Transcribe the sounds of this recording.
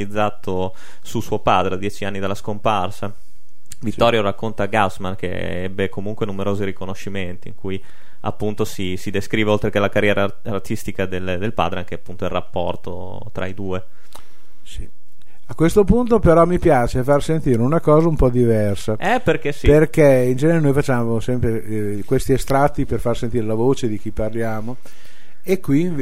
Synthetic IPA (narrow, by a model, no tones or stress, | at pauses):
id̪zːaːt̪ʰo | susuopaːd̪ɾead̪jɛːt͡ʃianːid̪elːaskomparsa | visːɔɾjoɾakːont̪aɡasmankḛ | ɛ̰bːekomuŋkwenumeɾoːziɾikonoʃːiment̪iḭŋkuj | a̰pːunt̪osisid̪eskɾiːveolt̪ɾekelakarjɛːɾaː | rt̪ist̪ikad̪eld̪elpa̰ːd̪ɾeaŋk̟eapːunt̪oilrapːɔ̰rt̪o̰ | t̪ɾa̰id̪uːe | sḭ | akːwest̪opunt̪̬opeɾɔmipjaːt͡ʃefarsent̪iːɾeunakɔːzaumpɔd̪ivɛrsaɛperkesiperkeind͡ʒɛneɾenojfat͡ʃːaːmosɛmpɾe | kwest̪iest̪ɾat̪ːiperfarsent̪iːɾelavoːt͡ʃed̪ikiparljaːmo | ekːwi